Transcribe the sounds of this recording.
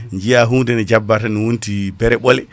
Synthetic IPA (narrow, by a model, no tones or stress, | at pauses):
ɲd͡ʒijaɦuːndɛnɛd͡ʒabːataniwuntibɛɾɛɓɔlɛ